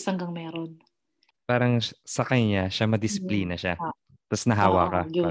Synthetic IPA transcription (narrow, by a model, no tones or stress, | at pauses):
shɐŋɡɐŋmɛːɾon | paːɾɐŋsɐkɐɲɲaʃamɐd̪ɪsɪ̥pliːnɐʃa | t̪ɐsnɐɦaːwa̰kɐ